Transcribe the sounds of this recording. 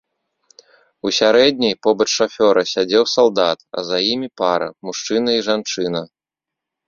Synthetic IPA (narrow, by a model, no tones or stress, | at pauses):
usʲaɾɛd̪ʲnʲɐjpɔbɐt͡ʂʂafʲɔɾɐsʲad͡zʲɛwsalˠd̪at̪ɐ̰zajimʲipaɾɐ̰muʂt͡ʂɨnɐiʐant͡ʂɨn̪ɐ